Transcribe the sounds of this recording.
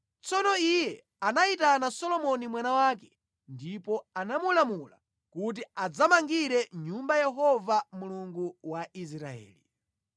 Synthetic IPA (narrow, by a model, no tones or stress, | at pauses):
t͡sɔnɔijɛ | anaitanasɔlɔmɔnimwanawaːk̬ɛ | ndipɔanamulamula̰ | kut̬iad͡zamaŋɡiɾɛɲumbajɛɦɔvamuluŋɡuwais̬ɾa̰ɛ̰ːli